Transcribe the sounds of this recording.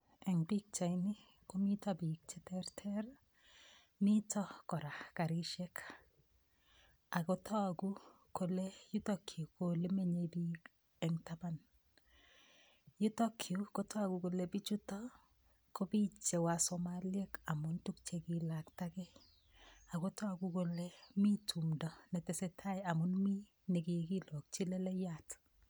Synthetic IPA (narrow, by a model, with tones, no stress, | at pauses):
ɛ˨ŋbi˦k̚t͡ʃa˨ni˦ | ko˦mi˦tɔ˦bi˨k̚t͡ʃɛ˦tɛ˦ɾtʰɛ˦ɾ | mi˦tɔ˦kɔ˨ɾa˨ka˨ɾi˦ʃɛ˦k | a˨ko˦tʰɔ˦a˨ɡu˦ | ko˨le˦ju˦to˦kʰi˨o˨ko˨le˦me˦ɲe˨bi˦ | ɛ˨ŋta˦ba˦n | ju˦to˦kʰju˨ko˦tɔ˦a˨ku˨ko˨le˨bi˦t͡ʃu˦tɔ˦ | ko˦bi˦t͡ʃe˨wa˨sɔ˨ma˦lje˦ka˨mʊ˦ntu˦k̚t͡ʃe˨ki˨la˨kta˦kɛ˦ | a˨ko˦tɔ˦a˨ɡu˦ko˨le˦mi˦tʰu˨mdɔ˨nɛ˨tɛ˨sɛ˨tʰa˦ja˨mʊ˦nmi˦ | ne˨ki˨ki˦lɔ˨k̚t͡ʃi˦lɛ˦lɛ˦ja˦˨t